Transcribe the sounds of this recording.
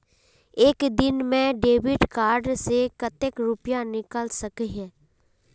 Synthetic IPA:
eːkd̪ɪnmẽɖeːʋɪɖkaːɾɖsekət̪ekɾʊpjanɪkəlsəkɦɛ̃ː

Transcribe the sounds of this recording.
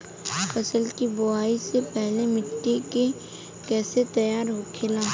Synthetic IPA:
fɐsəlkibʊaːisepɛɦlemɪʈːeke | kɛːset̪ɐjaːɾɦokʰelaː

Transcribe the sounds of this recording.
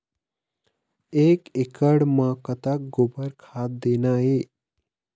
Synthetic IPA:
ekekəɽməkət̪ak̚ɡobəɾkʰat̪̚d̪enaje

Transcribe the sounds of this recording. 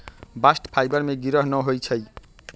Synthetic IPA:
basʈpʰajbʌɾmeɡiɾʌɦnʌɦojt͡sʰʌj

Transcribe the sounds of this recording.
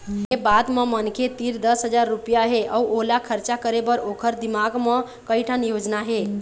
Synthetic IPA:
ɦebad̪memənkʰet̪iɾd̪əsɦəd͡ʒaɾːupjaɦeʔauʔoɦlakʰəɾt͡ʃakəɾebəɾokʰəɾd̪imaɡmẽ | kəɪʈʰənjod͡ʒnaɦe

